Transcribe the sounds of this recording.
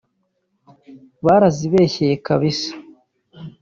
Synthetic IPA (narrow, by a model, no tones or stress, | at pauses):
βaɾaziβe̞ːçe̞jekaβisḁ